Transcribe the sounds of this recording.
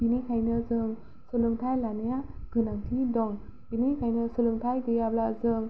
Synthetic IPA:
inikʰajnɯzɯŋ | sulɯŋtʰajlanijaɡɯnaŋtʰidɔŋ | inikʰajnɯsulɯŋtʰajɡɯjablazɯŋ

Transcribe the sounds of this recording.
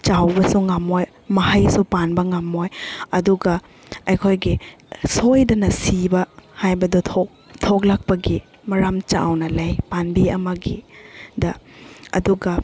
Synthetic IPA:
t͡ʃawbɐsuŋamoj | mɐɦɐjsupanbɐŋamojɐduɡɐ | ɐjkʰojɡi | sojdɐnɐsibɐhajbɐdutʰok̚ | tʰoklak̚pɐɡi | mɐɾamt͡ʃa̰wnɐlɐjpanbiɐmɐɡidɐɐ̰duɡɐ

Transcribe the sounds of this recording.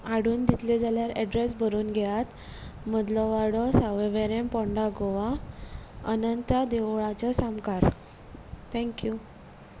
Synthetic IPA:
aɽuːnd̪it̪ʰled͡zaljaɾɛɖɾes̬bʱəɾuːnɡʱɛjat̪ | məd̪lɔʋaɽɔsaʋeʋeɾempɔ̃ɳɖaɡoʋa | ənənt̪ad̪eʋɭat͡sɔsamkaɾ | t̪ʰɛ̃ŋkju

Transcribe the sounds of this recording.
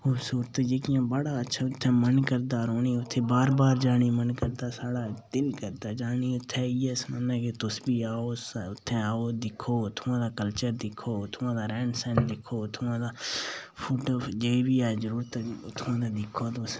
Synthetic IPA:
xobsuːɾt̪ːd͡ʒeːkɪjãːbəɽaːətːʃʰaːʊt̪ʰːɛ̃ːmənkəɾd̪aːɾoːniːʊt̪ʰːẽːbaːɾbaːɾd͡ʒaːɽ̃iːmənkəɾd̪aːsaːɽaːd̪ɪlkəɾd̪aːd͡ʒaːniːʊt̪ʰːɛ̃ːiːɛsmənɛ̃ːket̪ʊsbiːaːoːsʊt̪ʰːẽaːoːd̪ɪkʰːoːt̪ʰʊãːd̪aːkəlt͡ʃəɾd̪ɪkʰːoːʊt̪ʰːʊãːd̪aːɾɛːɳɖsɛnd̪ɪkʰːoːt̪ʰʊãːd̪aːpʰʊʈɔːfd͡ʒeːibiːaːzəɾuːɾt̪ːʊt̪ʰːʊãːd̪aːd̪ɪkʰːoːt̪ʊs

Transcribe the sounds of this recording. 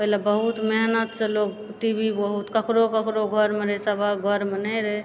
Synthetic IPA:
pəɦlabəɦut̪meɦnət̪seloɡ | ʈibʱibəɦut̪kəkɾokəkɾoɡʱəɾmeɾəesəbʱaɡʱəɾmenəɾə

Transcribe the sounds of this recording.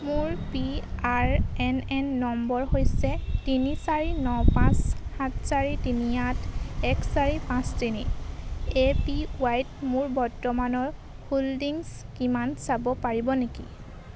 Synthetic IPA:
mʊɹpiaɹɛnɛnːɔmbɔɹɦojsɛtinisaɹinɔpãshãtʰsaɹitinijatʰɛkʰsaɹipãstini | epiʊajtmʊɹbɔɹtɔmanɔɹ | huldiŋskimansabɔpaɹibɔnekḭ

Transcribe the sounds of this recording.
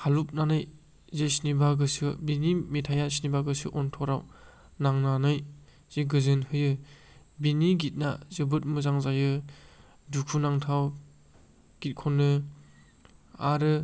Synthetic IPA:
halup̚nanɯj | zesnibaɡɯsɯbinimetʰajasinibaɡɯsɯ̰ʔɔntʰɔɾaw | naŋnanɯj | z̥eɡɯzɯnhɯjɯ | biniɡit̚na̰zɯbɯt̚mɯzaŋzajɯ | dukʰunaŋtʰaw | ɡ̥it̚kʰɔnːɯ | aɾɯ

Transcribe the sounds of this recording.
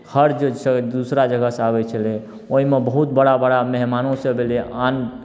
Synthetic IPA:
həɾd͡ʒsd̪usɾad͡ʒəɡəsabɛt͡ʃʰəle | oɦimebəɦut̪bəɽabəɽamɛɦmanõsẽbelean

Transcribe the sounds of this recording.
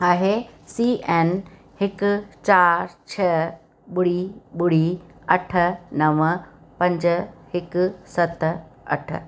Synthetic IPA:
aːɦesiːʔeːn | hɪkʊt͡ɕaːɾt͡ɕʰɐ | ɓʊɽ̤iɓʊɽiɐʈʰə̆nɐʋəpɐ̃ɲd͡ʑəhɪkʊ̆sɐt̪ɐ̰ʈʰə̆

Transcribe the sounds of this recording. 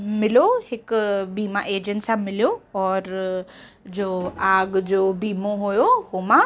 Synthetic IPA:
mɪlohɪkbiːmãʔeːd͡ʑənsãmɪljoɔːɾ | d͡ʑoːaːɡd͡ʑoːbiːmõɦojohomã

